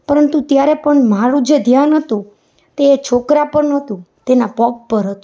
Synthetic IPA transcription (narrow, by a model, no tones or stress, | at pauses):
pəɾənt̪ut̪jaɾɛpəɳmaɾũd͡ʒed̪ʱjanɦət̪ũ | t̪eːt͡ʃʰokɾapəɳɦət̪ũ | t̪enapɔk̚pəɾɦət̪ũ̥